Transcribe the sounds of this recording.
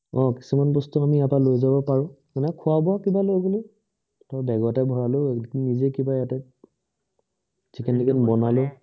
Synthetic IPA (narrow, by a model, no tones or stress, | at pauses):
ɔ̃ki̥sumanbɔstuamiatalojzabɔpaɹʊ̃ | kanɛkʰʊabɔakibalojɡolʊ | tɔbɛɡɔatɛbʱɔɹalʊnizekibajatɛ | zikʰɛndikʰɛnbɔnalʊ